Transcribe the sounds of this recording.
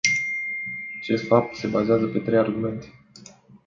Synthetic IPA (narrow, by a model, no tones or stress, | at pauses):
at͡ʃe̞st̪fap̚t̪se̞bazeazəpe̞t̪ɾe̞jarɡume̞nt̪e̥